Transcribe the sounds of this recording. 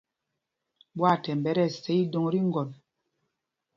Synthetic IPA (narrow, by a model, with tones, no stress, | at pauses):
bwa˦˨tɛ˨m˨bɛ˨˦ɾɛ˦˨sɛ˦i˦do˨ŋɾi˦ŋ˦ɡɔ˨n